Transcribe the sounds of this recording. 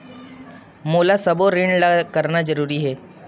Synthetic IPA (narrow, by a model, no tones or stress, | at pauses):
moːlasɐboɾiɳɖlakəɾnazəɾuːɾiɦɛː